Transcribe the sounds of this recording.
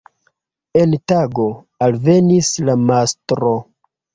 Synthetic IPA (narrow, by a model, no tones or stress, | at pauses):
e̞ntaɡo̞ | alve̞nislamastɾo̞